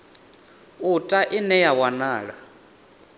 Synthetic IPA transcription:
utʼaʔinɛjawanaːɺa

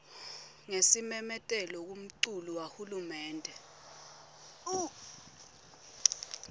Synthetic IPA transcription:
ŋesimɛmɛtʼɛlɔk̬um̩ǀuluwahulumɛːndʱɛ | u

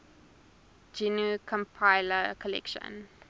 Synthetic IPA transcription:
d͡ʒinukʰɔ̃mpʰaɪləkʰɔlɛ̰kʃə̰̃n

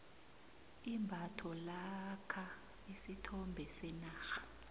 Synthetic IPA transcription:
imbʱatʰɔlakʰa | isitʰɔmbʱɛsɛnaːxḁ

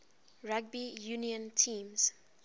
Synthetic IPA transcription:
ɹaɡ̚bijuniə̃ntʰĩːmz̥

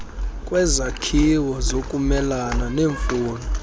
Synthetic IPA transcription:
kʼwɛzakʰiwɔzokʼumɛlananeːɱfuːnɔ

